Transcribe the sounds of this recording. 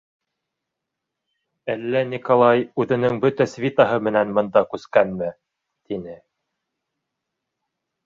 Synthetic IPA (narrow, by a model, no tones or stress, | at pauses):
ælːænʲikolˠɑjʉðɘ̆nɘŋbɵt̪æsvʲit̪ɑɦɤmɘ̆nænmɤ̆nd̪ɑkʉskænmɘ | t̪inɘ